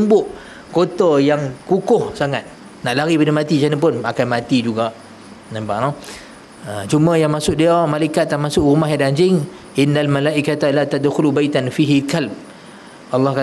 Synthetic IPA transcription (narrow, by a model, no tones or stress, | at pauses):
mbʊʔ | kot̪əjaŋkukʊhsaŋat̪̚ | naʔlaɾipadəmat̪it͡ʃanəp̬ʊnakanmãt̪id͡ʒuɡaʔ | nampaʔnɔh | ət͡ʃumə̃jaŋmasʊʔ̚diamalaikat̪̚ːamasʊʔɣumahjadaɲd͡ʒɪŋ | ʔɪnːalmalaʔikat̪alat̪ad̪xʊlubajt̪anfiɦikalb̚ | ʔɑlːɑhka